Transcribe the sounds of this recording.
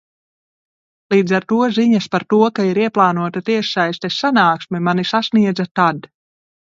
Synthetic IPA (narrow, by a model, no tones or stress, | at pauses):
lˠiːd̪zaɾt̪uɔziɲaspaɾt̪uɔkaiɾiɛplˠaːnuɔt̪at̪iɛʃajst̪ɛsanaːksmɛmanisasniɛd̪zat̪ad̪